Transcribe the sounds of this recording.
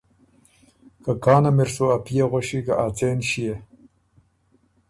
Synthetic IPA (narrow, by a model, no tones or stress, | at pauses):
kakɑːnameɾsoapijeɣoɕikaʔat͡seːnɕije